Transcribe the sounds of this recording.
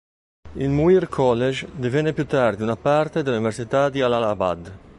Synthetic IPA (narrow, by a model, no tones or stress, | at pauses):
ilmuirkʰɔlːed͡ʒd̪ivɛnepjut̪aɾd̪iunapart̪ed̪elauniveɾsit̪ad̪ialalaba̰d̪